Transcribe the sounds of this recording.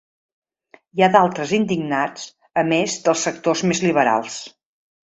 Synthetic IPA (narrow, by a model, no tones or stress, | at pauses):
jaðalˠt̪ɾəzind̪iɡnat͡s | əmezd̪əlˠsːək̚t̪ozmezliβəɾa̰lˠs